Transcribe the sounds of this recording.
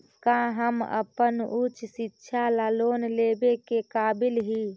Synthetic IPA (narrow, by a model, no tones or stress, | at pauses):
kãɦəmə̰pənut͡ʃʰsitːʃʰalaːloːnleːbekekaːbɪlɦi